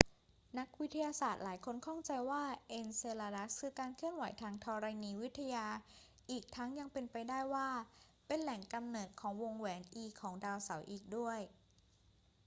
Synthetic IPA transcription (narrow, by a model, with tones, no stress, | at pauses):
na˦˥k̚wi˦˥t̪ʰːa˧jaː˧saː˨˩t̪̚laː˩˦jkʰo˧nkʰɔ˥˩ŋt͡ɕa˧jwaː˥˩ʔe˧nseː˧laː˧da˦˥skʰɯː˧kaː˧nkʰɯ˥˩ənwa˨˩˦jt̪ʰaː˧ŋt̪ʰɔː˧ɾa˧jniː˧wi˦˥t̪ʰːa˧jaː˧ | ʔiː˨˩k̚t̪ʰa˦˥ŋja˧ŋpe˧npa˧jdaː˥˩jwaː˥˩ | pe˧nlɛ˨˩˦ŋka˧mnɤː˨˩t̪̚kʰɔː˩˦ŋwo˧ŋwɛː˩˦nʔiː˧kʰɔː˩˦ŋdaː˧wsa˩˦wʔiː˨˩k̚du˥˩əj